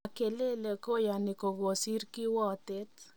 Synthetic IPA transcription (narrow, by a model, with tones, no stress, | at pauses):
ke˨le˦le˨ko˦ja˨ni˨ko˨ɣo˨si˦ɾki˦wɔ˦t̪e˦t